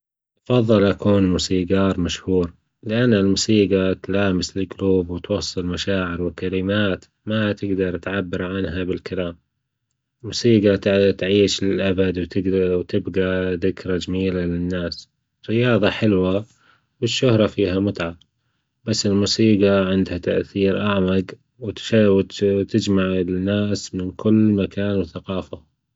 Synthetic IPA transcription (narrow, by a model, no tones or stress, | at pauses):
ʔɑfɑðˤːɨlʔakuːnmuːsiːɡɑːɾˤmaʃhuːɾ | lɪʔanːalmuːsiːɡat̪laːmɪslɪɡluːbwɪt̪wɑsˤːɨlmaʃaːʕɪɾwɪkalɪmaːt̪ | mat̪ɪɡd̪ɑɾˤt̪ʕabːɪɾˤʕanɦabɪlkalaːm | lmuːsiːɡat̪ʕiːʃɪlʔabad̪wt̪ɪwt̪ɪbɡaðɪkɾad͡ʒamiːlalɪnːaːs | ɾɪjɑːðˤɑħɪlwa | wɪʃːʊhɾˤɑfiːhamʊt̪ʕa | basːɪlmuːsiːɡaʕɪnd̪hat̪a̰ʔθiːɾʔaʕmaɡ | wt̪awt̪ɪd͡ʒmaʕɪnːaːsmɪnkʰʊlːmakaːnwɪθaqɑːfa